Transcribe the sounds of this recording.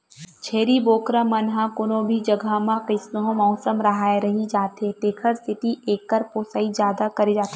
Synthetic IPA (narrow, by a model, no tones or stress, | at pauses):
t͡ʃʰeːɾiboːkɾãmɐnɦãkʊnõbʱid͡ʒɐɡʱamãkɪsnoɦõmɔːsəmɾɐɦaːeɾɐɦid͡ʒaːt̪eʈeːkʰəɾsɪʈiʔeːkːəɾpoːsaːid͡ʒjaːd̪akɐɾed͡ʒaːt̪e